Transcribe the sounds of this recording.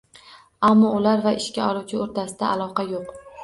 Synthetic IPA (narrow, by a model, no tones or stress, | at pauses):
amːɒʊlaɾvaʔɪʃkʲaɒlˠuwt͡ʃʰɪoɾt̪ʰasɪd̪aʔalˠɒqɑjoq